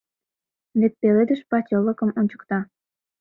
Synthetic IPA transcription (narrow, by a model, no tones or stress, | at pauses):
βet̪̚peled̪əʃpɑt͡ɕʲoləkəmonʲt͡ɕə̥kt̪ɑ